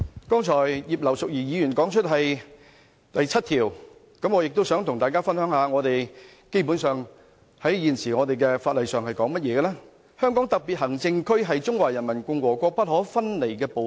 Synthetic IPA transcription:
kɔː˥ŋt͡ʃʰɔː˨˩jjiː˨p̚lɐ˨˩wsʊ˨k̚jiː˨˩jiː˨˧jyː˨˩nkɔː˨˥ŋt͡ʃʰɵ˥t̚ɦɐ˨j | t̪ɐ˨jt͡sʰɐ˥t̚t̪ʰiː˨˩w | kɐ˨˥mŋɔː˨˧jɪ˨k̚t̪o˥wsœː˨˥ŋt̪ʰʊ˨˩ŋt̪aː˨jkaː˥fɐ˥nhœː˨˥ŋhaː˨˧ŋɔː˨˧t̪e˨j | ke˥jpuː˨˥nsœː˨˩ŋ | hɐ˨˥jjiː˨nsiː˨˩ŋɔː˨˧t̪e˨jkɛ˧faː˧t̚lɐ˨jsœː˨ŋhɐ˨jkɔː˨˥ŋmɐ˥t̚jɛː˨˧ɡɛ˧lɛː˥ | hœː˥ŋkɔː˨˥ŋt̪ɐ˨k̚piː˨t̚hɐ˨˩ŋt͡sɪ˧ŋkʰɵ˥ɥɦɐ˨jt͡sʊ˥ŋwaː˨jɐ˨˩nmɐ˨˩nkʊ˧ŋwɔː˨˩kʷɔː˧k̚pɐ˥t̚hɔː˨˥fɐ˥nle˨˩jkɛː˧po˨˧

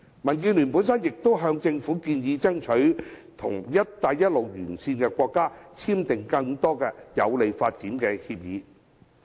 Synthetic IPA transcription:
mɐ˨˩nk̬iː˧nlyː˨˩npuː˨˥nsɐ˥njɪ˨k̚t̪o˥wɦœː˧ŋt͡sɪ˧ŋfuː˨˥kiː˧njiː˨˧t͡sɐ˥ŋt͡ʃʰɵ˨˥ɥt̪ʰʊ̰˨˩ŋjɐ˥t̚t̪aː˧jːɐ˥t̚lo˨wjyː˨˩nsiː˧nkɛː˧kʷɔː˧kːaː˥t͡sʰiː˥mt̪ɪ˨ŋkɐ˧ŋt̪ɔː˥kɛː˧jɐ̰˨˧wle˨˧jfaː˧t̚t͡siː˨˥nkɛː˧hiː˧p̚jiː˨˧

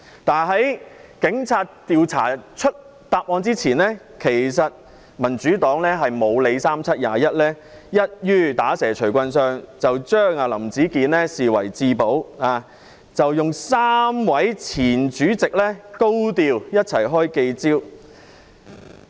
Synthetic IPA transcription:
t̪aː˨˩nɦɐ˨˥jkɪ˨˥ŋt͡sʰaː˧t̚t̪iː˨wt͡sʰa̰ː˨˩t͡ʃʰɵ˥t̚ | t̪aː˧p̚ʔɔː˧nt͡siː˥t͡sʰiː˨˩nlɛː˥ | kʰe˨˩jsɐ˨t̚ | mɐ˨˩nt͡syː˨˥t̪ɔː˨˥ŋlɛː˥ɦɐ˨jmo˨˧wle˨˧jsaː˥mt͡sʰɐ˥t̚ja̰ː˨jɐ˥t̚lɛː˥ | jɐ˥t̚jyː˥t̪aː˨˥sɛː˨˩t͡ʃʰɵ˨˩ɥkʷɐ˧nsœː˧ŋt͡sɐ˨wt͡ʃœː˥ŋaː˨˧lɐ˨˩mt͡siː˨˥kiː˨˥nlɛː˥siː˨wɐ̰˨˩jt͡siː˧po˨˥waː˨˧ | t͡sɐ˨wjʊ˨ŋsaː˥mwɐ˨˥jt͡sʰiː˨˩nt͡ʃyː˨˥t͡sɪ˨k̚lɛː˥ko˥wt̪iː˧wjɐ˥t̚t͡sʰɐ˨˩jɦɔː˥jke˧jt͡siː˥w

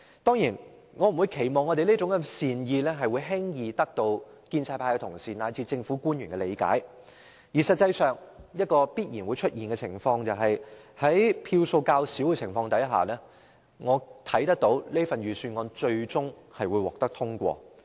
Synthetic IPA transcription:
t̪ɔː˥ŋjiː˨˩n | ŋɔː˨˧m̩˨˩wu˨˧jkʰe˨˩jmɔː˨ŋɔ˨˧t̪e˨jlt͡sʊ˨˥ŋkɐ˧siː˨njiː˧lɛː˥ɦɐ˨jwuː˨˧jɦɪ˥ŋjiː˨t̪ɐ˥k̚t̪o˧w | kiː˧nt͡sʰaː˧tpʰaː˧jkɛ˧t̪ʰʊ˨˩ŋsiː˨naː˨˧jt͡sʰiː˧t͡sɪ˧ŋfu˨˥kuː˥njyː˨˩kɛ˧lḛ˨˧jka̰ː˨˥j | jiː˨˩sɐ˨t̚t͡sɐ˧jsœː˨ŋjɐ˥t̚kɔː˧piː˥t̚jiː˨˩nwu˨˧t͡ʃʰɵ˥t̚jiː˨nkɛ˧t͡sʰɪ̰˨˩ŋfɔː˧ŋt͡sɐ˨wɦɐ˨jhɐ˨˥jpʰiː˧wso˧wkaː˧wsiː˨˥wkɛ˧t͡sʰɪ˨˩ŋfɔː˧ŋt̪ɐ˨˥jɦa̰ː˨˩lɛː˥ | ŋɔː˨˧t̪ʰɐ˨˥jt̪ɐ˥k̚t̪o˨˥wle˥ɐ˥fɐ˨njyː˨syː˧nŋɔː˧nt͡ʃɵ˧ɥt͡sʊ˥ŋhɐ˨jwuː˨˧jwɔː˨k̚t̪ɐ˥k̚t̪ʰʊ˥ŋkʷɔ̰ː˧

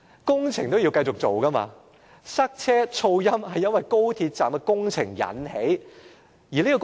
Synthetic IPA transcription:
kʊ˥ŋt͡sʰɪ˨˩ŋt̪o˥wji˧wkɐ˧jt͡sʊ˨k̚t͡so˨wkɐ˥ma̰ː˧ | sɐ˥k̚t͡sʰɛː˥t͡sʰo˧wjɐ˥mhɐ˨jɐ˥nwɐ˨jko˥wt̪ʰiː˧t̚t͡saː˨˩mkɛ˧kʊ˥ŋt͡sʰɪ˨˩ŋjɐ̰˨˥nhe˨˥j | jiː˨˩liː˥kɔ˧

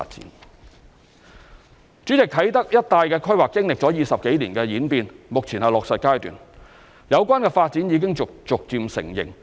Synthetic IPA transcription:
a̰˧t̚t͡sḭ˨˦˥n | t͡syː˨˥t͡sɪ˨˩k̚t̪ʰɐ˨˥jt̪ɐ˥k̚jɐ˥t̚t̪aː˨˧jkɛː˧kʰɵ˥ɥwaː˨kːɪ˥ŋlɪ˨k̚t͡sɔː˨˥jiː˨˧sɐ˨p̚ke˨˥jliː˨˩nkɛː˧jiː˨˥npiː˧nmʊ˨k̚t͡sʰiː˨˩nhɐ˨jlɔː˨ksɐ˨t̚kaː˥jt̪y̰ː˨˩n | jɐ˨˧wkʷaː˥nkɛː˧faː˧t̚t͡siː˨˥njiː˨˧k̬ɪ˥ŋʊ˨kt͡sʊ˨k̚t͡siː˨˧msɪ̰˨˩ŋjɪ̰˨˩ŋ

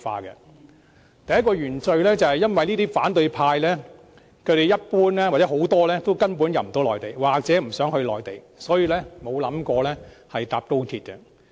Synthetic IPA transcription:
fa̰ː˧kɛ̰˧ | t̪ɐ˨jɐ˥kɔː˧ɥyː˨˩nt͡sɵ˧ɥlɛː˥t͡sɐ˨whɐ˨jɐ˥nwɐ˨jniː˥t̪iː˥faː˨˥nt̪ɵ˧ɥpʰaː˧jlɛː˥ | kʰɵ˨˧ɥɾe˨jɐ˥t̚puː˥nlɛː˥waː˨˩t͡sɛː˨˥ɦo˨˥wt̪ɔː˥lɛː˥t̪o˥wkɐ˥npuː˨˥njɐ˨m̩˨˩t̪o˨˥wlɔː˨jt̪e˨˩jwaː˨k̚t͡sɛː˨˥m̩˨˩sœː˨˥ŋhɵ˧ɥlɔː˨˩jt̪e˨˩j | sɔː˨˥jiː˧lɛː˥mo˨˧wlɐ˨˥mkɔː˧lɛː˥hɐ˨jt̪aː˨p̚t̪o˥wt̪ʰiː˧t̚kɛ˧

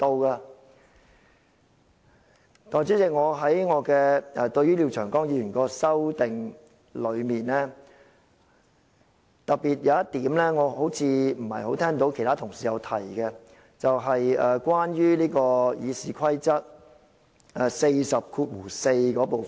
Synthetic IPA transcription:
t̪o˧wkaː˧ | t̪ɔː˨˩nt͡siː˨˥t͡sɪ˨k̚ŋɔː˨˧ɦɐ˨˥jŋɔː˨˧kɛː˧ɛ˧t̪ɵ˧ɥyː˥li˧wt͡ʃʰœː˨˩ŋkɔː˥ŋjiː˧ɥyː˨˩nkɔː˧sɐ˥wt̪ɪ˨ŋ | lɵ˨˧ɥmiː˨nlɛː˥ | t̪ɐ˨k̚piː˨t̚jɐ˨˧wjɐ˥t̪iː˨˥mlɛː˥ŋɔː˨˧ho˨˥wt͡sʰiː˨˧m̩˨˩hɐ̰˨jho˨˥wt̪ʰɛː˥ŋt̪o˨˥wkʰe˨˩t̪ʰaː˥t̪ʰʊ˨˩ŋsiː˨jɐ˨˧wt̪ʰɐ˨˩jkɛ˧ | t͡sɐ˨wɦɐ˨jɛː˨˧kʷwaː˥njyː˥liː˥kɔː˧jiː˨˧siː˨kʰɐ˥jt͡sɐ˥t̚ | ɛ˨˩se˧jsɐ˨p̚kʰuː˧t̚wuː˨˩se˧jkɔː˨˥po˨

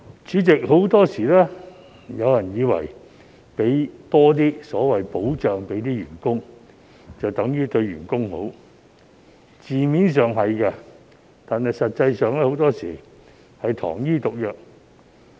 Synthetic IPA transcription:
t͡ʃyː˨˥t͡sɪ˨k̚ɦo˨˥wt̪ɔː˥siː˨˩lɛː˥ | jɐ˨˧wjɐ˨˩njiː˨˧wɐ̰˨˩j | pe˨˥jt̪ɔː˥t̪̬iː˥sɔː˨˥wɐ˨jpo˨˥wt͡ʃœː˨ŋpe˨˥jt̪iː˥ɥyː˨˩nkʊ˥ŋ | t͡sɐ˨wt̪ɐ˨˥ŋjyː˥t̪ɵ˧ɥɥyː˨˩nkʊ˥ŋho˨˥w | t͡siː˨miː˨˥ns̬œː˨ŋɦɐ˨jkɐ˧ | t̪aː˨nɦɐ˨jsɐ˨t̚t͡sɐ˧jsœː˨˧ŋlɛː˥ho˨˥wt̪ɔː˥siː˨˩ | hɐ˨jt̪ʰɔ̰ː˨˩ŋjiː˥t̪ʊ˨k̚jœː˨k̚

